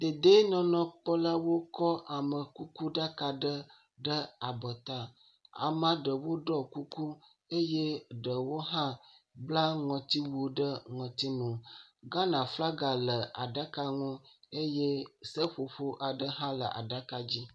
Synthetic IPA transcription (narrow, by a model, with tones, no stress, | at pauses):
d̪e˨d̪e˦nɔ̃˨nɔ̃˨k͡pɔ˦la˦wo˦kɔ˦ʔa˨mə˨ku˦ku˦ɖa˦ka˨ɖə˦ | ɖə˦a˨bə˨t̪a˨ | a̰˨mã˨ɖə˨wo˦ɖɔ˦ku˦ku˦ | e˦je˦ɖə˨wo˦ɦã˦ | bla˦ŋɔ̃˨t̪i˦wu˨o˨ɖə˦ŋɔ̃˨t̪i˦nũ˨ɡa˦nã˨fla˦ɡa˨lə˨a˨ɖa˦ka˦ŋũ˦e˦je˦sə˦ɸo˨ɸo˦ʔa˨ɖə˦ɦã˦lə˨ʔa̰˨ɖa˦ka˦d͡ʑi˦